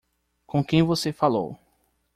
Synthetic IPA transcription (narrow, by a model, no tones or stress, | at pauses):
kõkẽj̃vosefalo̰w